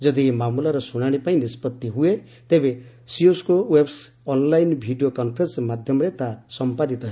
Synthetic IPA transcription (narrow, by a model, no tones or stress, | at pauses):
d͡ʒʌd̪imamulaɾɔsuɽ̃aɽ̃epaĩnispɔt̪ːiɦue | t̪ebe | sioskowebs | ɔnlajnbʱiɖijokɔnpʰɾensmad̪ʱjɔmɔɾet̪asɔmpad̪it̪ɔɦ